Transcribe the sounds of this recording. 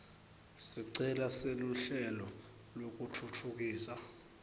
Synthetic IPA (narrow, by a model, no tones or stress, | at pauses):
siǀɛlaseluɬɛlɔ | lok̬utʰutʰuk̬iːsa